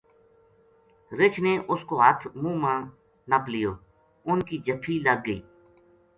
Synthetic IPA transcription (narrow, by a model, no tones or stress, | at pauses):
ɾɪt͡ʃʰneːʔʊskoːɦət̪ʰmũːmãː | nəplɪjoː | ʊnkiːd͡ʒəpʰiːləɡːəiː